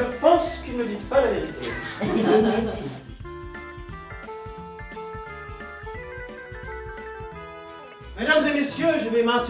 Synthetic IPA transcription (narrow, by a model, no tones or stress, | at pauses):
əpɑ̃skilməd̪it̪palaveʁit̪ḛ | med̪amzemesjøʒəvɛmɛ̃t̪